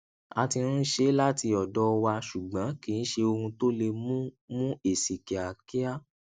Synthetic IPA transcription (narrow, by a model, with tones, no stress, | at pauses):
a˧ti˧nũ˦n̩˦ʃe˦la˦ti˧ɔ˨dɔ˦˧wa˧ʃu˨ɡ͡bã˨˦kĩ˨˦ʃe˧o˧hũ˧to˦le˧mũ˦mũ˦e˨si˨ki˨a˨ki˦a˦